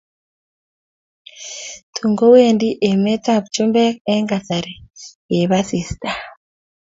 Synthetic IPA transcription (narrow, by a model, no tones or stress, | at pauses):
tʰuŋɡowendiʔemɛtapt͡ʃumbɛkɛŋɡasaɾeweβasista